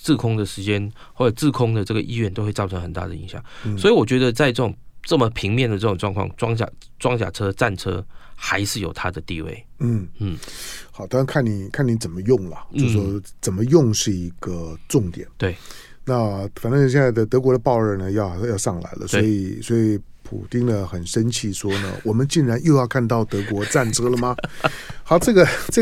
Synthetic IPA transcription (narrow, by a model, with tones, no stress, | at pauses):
t͡sɹ̩˥˩kʰʊ˥ŋd̪ə˨ʂɻ̩˧˥t͡ɕjɛ˦˥n | wɔ˥˩ʈ͡ʂə˨˩t͡sɹ̩˥˩kʰʊ˥ŋd̪ə˨ʈ͡ʂɤ˥˩ɡə˩ʔi˥ɥɛ˥˩nt̪o˥ʊxwe˥˧ɪt͡sɑ˥˩ʊʈ͡ʂʰɤ˧˦ŋxə˨˩nt̪a̰˥˩d̪ə˩i˧˥ŋɕjɑ̰˨˩˦ŋswi˨wɔ˨˩t͡ɕɥɛ˧˥d̪ə˧t͡sa˥˧ɪʈ͡ʂɤ˥˩ʊ˨˩ŋʈ͡ʂə˥˩mə˩pʰi˧˥ŋmjɛ˥˨nd̪ə˩ʈ͡ʂɤ˥˩ʊ˨˩ŋʈ͡ʂwɑ˥˧ŋkʰwɑ̰˥˩ŋʈ͡ʂwɑ˥ŋt͡ɕja̰˨˩ | ʈ͡ʂwɑ˥ŋt͡ɕja̰˨˩ʈ͡ʂʰɤ˥ʈ͡ʂa˥˩nʈ͡ʂʰɤ̰˥xa˧˥ɪʂɻ̩˥˩jo˨˩ʊt̪ʰa˦d̪ə˨t̪ḭ˥˧wḛ˥˩ɪn̩˥˩n̩˥˩xɑ˨˩˦t̪ɑ˥˧˦ŋkʰa˥˩nni˨˩kʰa˥˩ni˧˥t͡sə˨˩nmə˦jʊ˥˩ŋlə̰˨˩t͡ɕo˥˧ʂʂwɔ˥t͡sə˨˩nmə˦jʊ˥˧ŋʂɻ̩˥˩i˧˥ɡə˧ʈ͡ʂʊ˥˩ŋt̪jɛ̰˨˩˦nt̪e˥˩ɪ | na˥˧fa˨˩nt̪ə˥˧˩ɕjɛ˥˧nt͡sa˥˩ɪd̪ə˨t̪ɤ˧˥kwɔ˧˥d̪ə˧pɑ˥˧ʊə˞˥˧˩nə˩jɑ˥˧ʊjɑ˥˧ʊʂɑ˥˩ŋla̰˧˥ɪlə̰˧sɔ˥i˨˩swɔ˧˥i˨˩pʰṵ˨˩t̪i˥ŋd̪ə˨xə˨˩nʂə˥nt͡ɕʰi˥˩ʂwɔ˥nə̰˨wɔ˨˩mə˦nt͡ɕi˥˩ŋɻa˧˥njo˥˧jɑ˥˧ʊkʰa˥˧nt̪ɑ˥˩ʊt̪ɤ˧˥kwɔ˧˥t͡sa˥˩nʈ͡ʂʰɤ˥lə˨mɐ˩xɑ˨˥ʊʈ͡ʂɤ˥˩ɡə˩ʈ͡ʂɤ˥˩